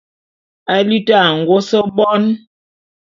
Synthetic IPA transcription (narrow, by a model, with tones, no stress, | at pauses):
a˦li˦ta˦˨ŋ̩˨ɡo˦sə˦bɔ˦n